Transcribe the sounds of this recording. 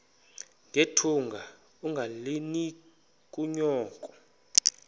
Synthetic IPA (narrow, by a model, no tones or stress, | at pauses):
ŋʱetʰuŋɡʱa | uŋɡʱaleni | kʼuɲɔːkʼɔ̥